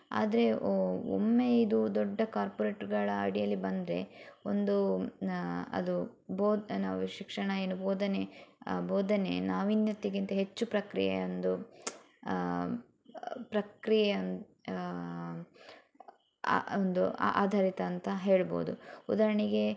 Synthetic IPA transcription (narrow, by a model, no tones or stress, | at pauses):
a̰ːd̪ɐɾe̞o̰mːeid̪ud̪ɔɖːɐkaːɾpoɾeːʈɐɾɡɐɭɐɐ̰ɽijɐlːibɐnd̪ɾe̞̰ond̪u | ɐ̰d̪uboːd̪naːʋʃikʂɐɳɐeːnuboːd̪ɐneboːd̪ɐne̞̰naːʋinjɐt̪ːiɡint̪ɐɦe̞t͡ʃːupɾɐkɾḭjḛond̪u | pɾɐkɾijen | ond̪ua̰ːd̪ʱaːɾit̪ɐːnt̪ɐɦe̞ːɭbo̰ːd̪uud̪aːɾɐɳiɡe̞